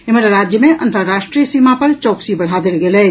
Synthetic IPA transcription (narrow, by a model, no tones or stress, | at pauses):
ɪməɾɾaːd͡ʒjəmẽʔʔɐ̰̃nt̪ʰəɾːaːʃʈɾiːəsiːmapɐɾt͡ʃɔːksibɐɽ̤aːd̪ɪlɡelɛː